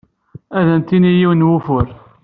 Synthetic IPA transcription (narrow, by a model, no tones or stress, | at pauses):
æðənt̪ːinijiwnwufʊɾ